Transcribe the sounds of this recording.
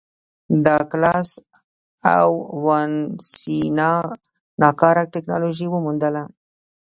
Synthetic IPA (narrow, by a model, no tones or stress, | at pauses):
d̪əklɑs | a̰wwansinɑ | nɑkɑɾak̚ʈeknɑ̰loʒiwəmund̪əla